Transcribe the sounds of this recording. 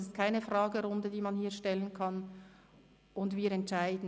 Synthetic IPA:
sɪst̚kʰaɪnəfʁɑːɡəɾʊndədiːmɑnhiːɐʃtɛlənkʰɑn | ʔʊndviːɾɛntʃaɪdn̩

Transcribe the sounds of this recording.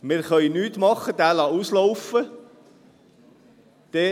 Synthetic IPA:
mɪːɾχœjnyːt̪mɑχːəd̥̪æːlɑusloʊfə | d̪̥ɛ

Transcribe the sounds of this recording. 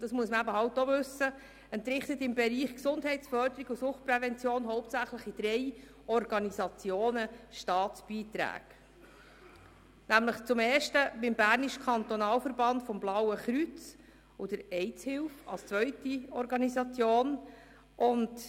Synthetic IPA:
d̥ɑsmuəsməæbəɦɑwtovʉsə | ɛnt̪ɾɪχt̪ət̪ɪmbɛɾiːχksʊndɦɛɪtsfœɾdəɾiɡusʊχt̚pɾɛvɛnt͡sjoːnɦɔwp̚tt͡sæχləχid̥̪ɾɛj | ɔɾɡɑnizɑt͡sjoːnəʃtɑːtsb̥iːtɾæ̰ːɡ̥ | næmləχt͡sʊmeːɾʃtəbɪmbæːɾniʃəkʰɑnt̪ɔnɑːlfəɾbɑndfɔmblɑwəχɾyt͡s | ud̥əɾɛɪt͡shɪlfɑ̰lst͡sʋœʏtiɔɾɡɑnizɑt͡sjoːn | ʔʊnd

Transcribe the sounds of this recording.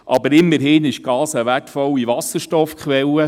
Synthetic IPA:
ʔɑbəɾɪmːəɾɦɪnɪʃɡ̥ɑːsəʋætfɔwːiʋɑsəɾʃtɔfkχʋɛlə

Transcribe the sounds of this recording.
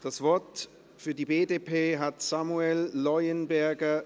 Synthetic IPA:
d̥asv̥ɔɐt | fyːɐdiːbeːdeːpʰeːɦatsamuɛlːɔʏənbɛɐɡɐ

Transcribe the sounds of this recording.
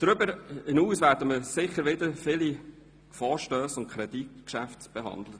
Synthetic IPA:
d̥ɾʏbəɾɪnuːsʋæːɾdəməsɪχəɾʋɪd̪əɾfɪli | fɔːɾʃtøːsʊnt̚kʰɾɛditkʃæftb̥ɛɦɑ̰nd̪lət

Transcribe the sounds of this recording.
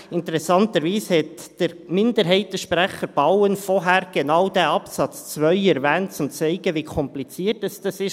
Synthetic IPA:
ɪntəɾɛsɑntəɾʋiːshɛtd̥əɾmɪndəɾɦɛɪt̚dəʃpɾæχəɾb̥ɑwənfɔɦæːɾɡ̥enɑwd̥æɑpsɑt͡st͡svœʏɛɾʋæːnt̚t͡sʊmt͡sɛɪɡəʋikʰɔmplit͡siːətɛsd̥ɑsɪʃ

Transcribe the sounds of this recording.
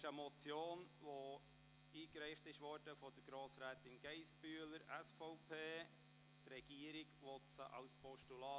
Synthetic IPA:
ʃəmɔt͡sjoːnʋo | iːkɾɛɪχtɪʃʋɔːɾd̥əfɔd̥əɾɡ̥ɾoːsɾæːtɪnɡ̥ɛɪsb̥yələɾæsfɔʊpʰeː | t̪rɛɡ̥iːəɾɪɡʋɔtsə̰ʔɑ̰wspʰɔʃtulɑː

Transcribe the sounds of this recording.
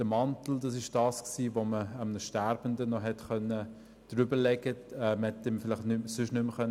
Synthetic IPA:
d̥əmɑntl̩dɑsɪʃd̥ɑːsksiːvoməəmnəʃtæɾbən̩dənɔɦɛtχœnːə | d̥ɾybəlɛɡəɛmhɛtːɛmfɪlɪχtnʏmsʏʃnʏmχœn

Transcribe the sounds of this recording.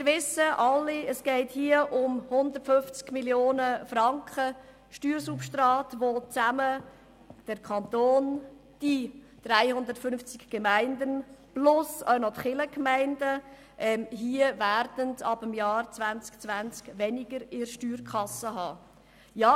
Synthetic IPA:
ɪvɪsəʔɑlːiəsɡ̥ɛɪthiəʔʊmhʊnd̪ətfʏnft͡skmiljoːnəfrɑŋkχə | ʃtyːɾsupʃtrɑːtʋot͡sæmə | d̥əɾkʰχɑnt̪oːn | d̥i | d̥ɾæɪhʊnd̪əɾtfʏnft͡sɪkɡ̥emæɪndənb̥lʊsœʊnɔtχɪləkmæɪndə | ʔɛmɦiəvæɾd̥əntɑbəmjɑːrt͡svænt͡skt͡sʋænt͡skʋɛnɪɡəɾɪɾʃtyːrkχɑsəɦɑː | jɑː

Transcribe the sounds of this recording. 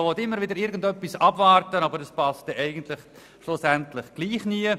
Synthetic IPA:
vɔtɪmːəɾvʋɪdəɾɪɾɡən̩dœpːisɑbvɑrtənabəɾdɑspast̚ɛʔɛɪɡən̩tlɪχ | ʃlʊsɛntlɪχɡ̥liːχniə

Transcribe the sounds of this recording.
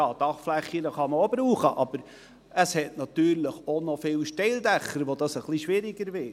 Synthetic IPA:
ɑːd̥ɑχflɛχinəχɑməobɾuːχəʔɑb̥əɾ | əshɛtnɑt̪yːɾləχonofɪlʃteɪld̪ɛχəɾʋod̪ɑsəχliʃʋɪɾɪɡ̥əɾvɪ

